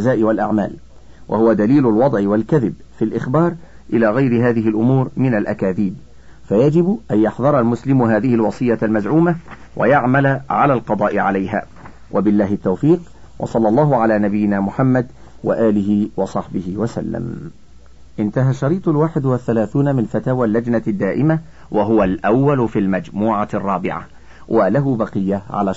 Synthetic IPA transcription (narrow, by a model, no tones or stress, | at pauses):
zaːʔɪwalʔa̰ʕma̰ːl | wʔa̰hʊwad̪aliːlʊlwɑd̪ˤʕɪwalkaðɪb | filʔɪxbɑːɾˤ | ʔɪlaːɣajɾɪɦaːðɪɦɪlʔʊmuːɾmɪnalʔakaːðiːb | fajad͡ʒɪbʔanjɑħðˤɑɾˤɑlmʊslɪmɦaːðɪhɪlwɑsˤɨjːalmazʕuːma | wʔa̰jaʕmalaʕa̰laːlqɑd̪ˤɑːʔɪʕalajɦa̰ː | wʔabɪlːaːɦɪt̪ːawfiːq | wʔɑ̰sˤɑlːɑlˤːɑːɦʊʕalaːnabɪjːɪnaːmʊħamːad̪ | wa̰ʔaːlɪɦɪwɑsˤɑħbɪhɪwasa̰lːa̰m | ʔɪnt̪aɦaʃːɑɾiːt̪ˤʊlwaːħɪd̪waθːalaːθuːnamɪnfat̪aːwaːlːad͡ʒnad̪ːaːʔɪma | wʔaɦʊwalʔawːalʊfilmad͡ʒmuːʕarˤːɑːbɪ̰ʕa̰ | wʔalaɦʊbɑqɨjːaʕa̰la